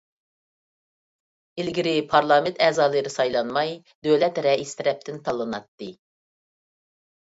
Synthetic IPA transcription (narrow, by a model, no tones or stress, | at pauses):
ɪlɡʲiɾɪpʰɑɾlˠɑːmɪnt̪ʰɛːzɑːlˠɨɾɨsɑjlˠɑnmɑj | d̪øwlɛt̪ɾɛist̪ʰɪɾɛp̚t̪ʰɪnt̪ʰɑlˠːɨnɑ̰t̪ːɨ